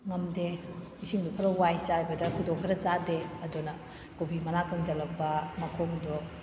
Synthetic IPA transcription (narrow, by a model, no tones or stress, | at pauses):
ŋɐmdemisiŋdupʰɐɾɐwajsahajbɐdɐkʰudoŋkʰɐɾɐzadeɐdunɐ | kobʰimɐnakɐŋzɐlɐk̚bɐmɐkʰoŋdu